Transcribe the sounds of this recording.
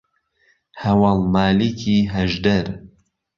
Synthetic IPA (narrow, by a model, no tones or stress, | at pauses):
hɐwɑlˠmaːlikʰiːɦɐʒd̪ɐɾ